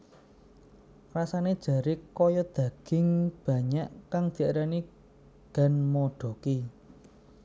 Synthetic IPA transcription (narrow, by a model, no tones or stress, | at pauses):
rasaned̥ʒ̥ä̤ɾikɔjɔd̪̥ä̤ɡ̥ɪ̤ŋb̥ä̤ɲaʔkaŋd̪̥i̤aɾani | ɡ̥a̤nmoɖ̥o̤ki